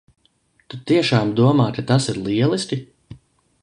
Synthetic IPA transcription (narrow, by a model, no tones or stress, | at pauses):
t̪ut̪iɛʃaːmd̪uɔmaːkat̪asiɾlˠiɛlˠiskʲi